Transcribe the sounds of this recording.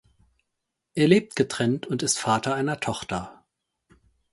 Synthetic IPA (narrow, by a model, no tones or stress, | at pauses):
ʔeːɐleːp̚tɡ̥ətʁ̥ɛntʊntɪstfaːtʰɐaɪnɐtʰɔχtɐ